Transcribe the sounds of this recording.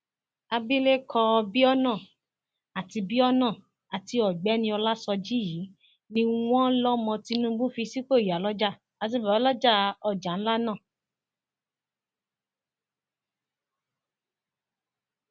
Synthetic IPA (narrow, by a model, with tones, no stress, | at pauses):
a˧bi˦le˦kʰɔ˧bi˦ɔ˦nãː˦˨ | a˨ti˧bi˦ɔ˦nãː˦˨ | a˨ti˧ɔ˨ɡ͡bɛ˨˦nĩ˧ɔ˧la˦sɔ˧d͡ʒi˦jiː˨˦ | nĩ˧w̃ɔ̃˦lɔ˦mɔ̃˧ti˧˦nũ˦bũ˦fi˧si˦k͡po˦˨i˨ja˨lɔ˦d͡ʒa˦ | a˨˧s̬i˧˨bɛ˨˦lɔ˦d͡ʒa˦˧ɔ˧˨d͡ʒa˨˦n̩˦la˦nãː˦˨